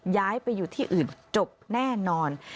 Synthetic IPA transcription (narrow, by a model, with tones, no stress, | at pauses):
jaː˦˥jpa˧jːuː˨˩t̪ʰiː˥˩ʔɯː˨˩nt͡ɕo˨˩p̚nɛː˥˩nɔː˧n